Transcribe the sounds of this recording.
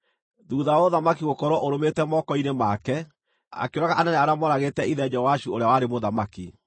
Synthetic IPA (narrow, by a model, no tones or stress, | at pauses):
ðuːðawoðamakiɣokɔɾɔʔoɾometɛmɔkɔinemaːkɛ | a̰keoɾaɣaʔanɛnɛaɾamɔɾaɣetɛiðɛd͡ʒɛowaʃuoɾeawaɾemoðamaki